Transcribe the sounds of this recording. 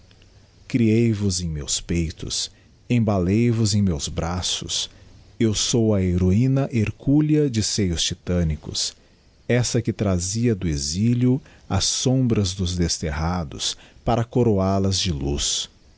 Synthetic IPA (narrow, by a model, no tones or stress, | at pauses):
kɾiejvʊzẽj̃mḛwspejt̪ʊ̰s | ẽbalejvʊzẽj̃mewzbɾasʊ̰s | ewsowɐeɾoĩnɐʔeɾkʰuliɐd͡ʒɪsejʊst͡ʃit̪ɐ̃nikʊ̰s | ɛsɐkɪt̪ɾaziɐd̪ʊeziljʊ | ɐsõbɾɐzd̪ʊzd̪est̪eɦad̪ʊ̰spaɾɐkoɾoalɐzd͡ʒɪlus